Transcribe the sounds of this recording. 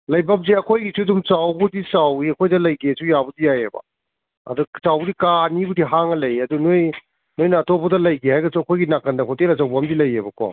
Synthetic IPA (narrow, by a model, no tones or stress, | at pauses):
lɐjbɐp̚zeɐkʰojɡisʰudumt͡ʃawbudisawiɐkʰojdɐlɐjɡesujabudijajḛbɐ̰ | ɐ̰dukt͡ʃawbudikanibudiɦaŋɐlɐjɐdunoj | nojnɐːtʰɔbɐdɐlɐjɡehajɡɐsuɐkʰojɡinakɐndɐkʰɔtelɐsawbɐɦɐmdilɐjebɐkʰwa̰